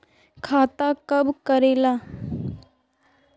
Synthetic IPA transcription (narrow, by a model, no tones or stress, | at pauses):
kʰaːt̪akɐbkəɾeːlaː